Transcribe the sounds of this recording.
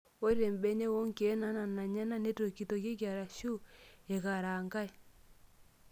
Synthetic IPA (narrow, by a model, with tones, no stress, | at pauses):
o˦ɾe˨mbɛ˦ne˦wo˦ŋke˨˦na˦na˨na˨ɲa˦na˦ne˦to˨ki˨to˨ke˦k̬ja˨ɾa˨ʃu˦e˨ɣa˨ɾa˨ŋɡa˦e˨